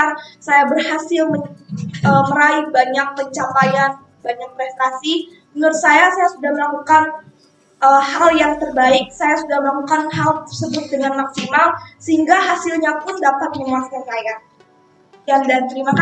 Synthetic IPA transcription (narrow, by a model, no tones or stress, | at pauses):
arsajabərhasɪlməəməɾaɪbaɲak̚pəɲt͡ʃapajan | baɲak̚pɾɛst̪asi | mənʊt̪sajasajasudahməlakukan | ʔəhaljaŋt̪ərbaɪk̚sajasudahməlakukanɦalt̪ərsəbʊt̪̚dəŋanmaksimalsəɦiŋɡaɦasɪlɲapʊndapat̪̚ɲəŋasɲasaja | jandant̪əɾimak